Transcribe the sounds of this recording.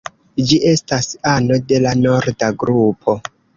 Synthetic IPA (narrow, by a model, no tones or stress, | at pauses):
d͡ʒiʔe̞stasano̞de̞lano̞ɾdaɡɾupʰo̞